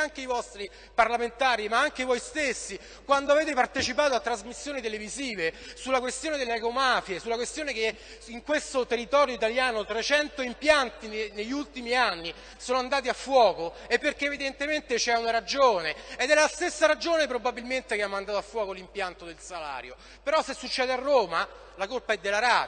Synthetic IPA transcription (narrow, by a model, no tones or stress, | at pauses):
aŋk̟eivɔst̪ɾi | parlament̪aːɾimaaŋk̟evojst̪esːi | kwand̪oaveːt̪epart̪et͡ʃipaːt̪oat̪ːɾazmisːjoːnit̪eleviziːvesulːakwest̪joːned̪elːeakomafiesulːakwest̪joːneke | iŋkwest̪ot̪erːit̪ɔːɾjoit̪aljaːnot̪ɾet͡ʃɛnt̪oimpjant̪inneʎːiult̪imianːi | soːnoand̪aːt̪̬iafːwɔːko | epːerk̟eevid̪ent̪ement̪et͡ʃɛunaɾad͡ʒoːneːd̪ɛlast̪esːaɾad͡ʒoːnep̬ɾobabːilment̪ekeamːand̪aːt̪oafːwɔːkolimpjant̪od̪elsala̰ːɾjo̰ | peɾɔsːesːut͡ʃːɛːd̪earːoːma | lakolpaɛd̪ːelaɾa